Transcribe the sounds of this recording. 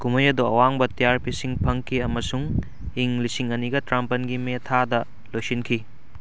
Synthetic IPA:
kumɐjɐdoɐ̰waŋbɐtijaɾpisiŋpʰɐŋkʰiɐmɐsuŋ | iŋlisiŋɐniɡɐtɾampɐnɡimetʰadɐ | lojsinkʰi

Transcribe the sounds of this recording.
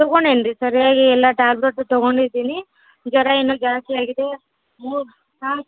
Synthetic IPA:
t̪ɔɡoɳɖeɳɖɾisɐɾijaːɡiɛlːɐʈaːlbɾeʈt̪ɔɡoɳɖid̪iːni | d͡ʒɐɾɐenːud͡ʒaːst̪iaːɡid̪e̞ | muː | aː

